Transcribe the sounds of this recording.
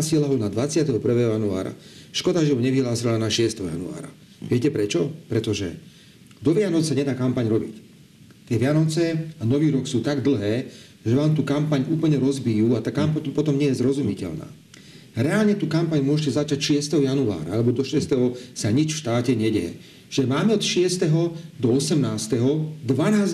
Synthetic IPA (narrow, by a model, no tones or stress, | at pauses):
sɪɛlaɦɔnad̪ʋat͡sɪat̪ɛɦɔpr̩ʋɛːɦɔjanua̰ːɾa̰ʃkɔd̪aʒɛɦɔɲɛʋiɦlaːsilanaʃɪɛst̪ɛɦɔja̰nṵa̰ːɾa̰ | ʋɪɛcɛpɾɛt͡ʃɔpɾɛt̪ɔʒɛ̰ | d̪ɔʋɪanɔt͡ssaɲɛd̪aːkampaɲɾɔbḭc | t̪ɪɛʋɪanɔt͡sɛanɔʋiːɾɔksuːt̪aɡd̪l̩ˠɦɛː | ʒɛʋaːmt̪uːkampaɲuːpl̩ɲɛɾɔzbijuːat̪aːkamp̪pɔt̪ɔmɲɛjɛzɾɔzumicɛ̰ʎna̰ː | ɾɛaːlɲɛt̪uːkampaɲmʊɔʒɛcɛzat͡ʃacʃɪɛst̪ɛɦɔjanua̰ːɾa̰alɛbɔd̪ɔʃɪɛst̪ɛɦɔsaɲit͡ʃfʃt̪aːcɛɲɛɟɛɛ | ʒ̥ɛmaːmɛɔt̪ʃɪɛst̪ɛɦɔd̪ɔɔsɛmnaːst̪ɛɦɔd̪ʋanaːz